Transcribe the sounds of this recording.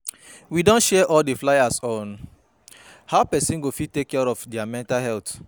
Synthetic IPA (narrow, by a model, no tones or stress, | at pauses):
widõntʃɛʔɔldeflajasɔ̃n | haʊpɛsĩnɡofid̚tekːɛɹɔfdɛamɛ̃ntalɦɛlt